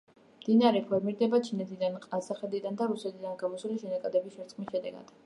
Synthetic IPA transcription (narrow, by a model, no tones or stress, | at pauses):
md̪̥inaɾɛpʰɔɾmiɾd̪ɛbat͡ʃʰinɛt̪ʰid̪anqʼasaχɛd̪id̪and̪aɾusɛt̪ʰid̪anɡamɔsuliʃɛnakʼad̪ɛbisʃɛɾt̪sʼχʼmisʃɛd̪ɛ̰ɡa̰d̪̥